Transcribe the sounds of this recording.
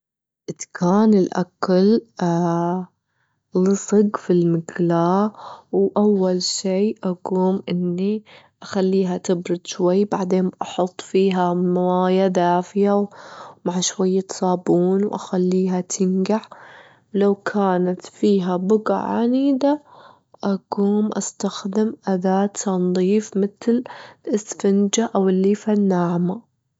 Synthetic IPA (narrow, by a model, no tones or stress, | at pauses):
ʔɪt̪kʰaːnɪlʔa̰kal | lɨsˤɨɡfilmɪɡlaːwʔawːalʃiːʔaɡuːmʔɪnːiʔaxalːiːɦat̪ɪbɾʊd̪̥ʃwajːbaʕd̪eːnʔɑħʊt̪ˤːfiːɦamawaːjad̪aːfɪjawmaʕʃwajːat̪sˤɑːbuːnwʔa̰xalːiːɦat̪ʰɪnɡaʕ | lawkʰaːnat̪fiːɦabʊɡa̰ʕa̰niːd̪a | ʔaɡuːmʔa̰st̪axd̪ɪmʔad̪aːt̪ːɑnðˤiːfmɪt̪lɪsfɪnd͡ʒaʔawɪlːiːfanːaːʕma